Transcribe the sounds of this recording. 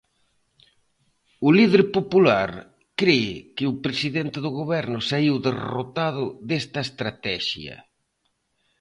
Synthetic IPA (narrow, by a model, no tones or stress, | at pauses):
ʊlið̞eɾpopulaɾ | kɾekɪʊpɾesiðent̪ɪðʊɣoβɛɾnʊsaiwðero̰t̪aðʊðest̪ɐest̪ɾat̪ɛʃjɐ̰